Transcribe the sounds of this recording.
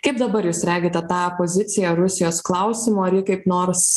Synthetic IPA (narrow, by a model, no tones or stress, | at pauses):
kɐɪp̚d̪ɐbɐɾjuːsɾʲæːɡʲeːt̪ʲɛt̪ɑːopoːzʲɪt̪sʲɪjɛɾʊsʲɪjoːsklˠɐʊsʲɪmoːɐɾjɪkɐɪpnoːɾs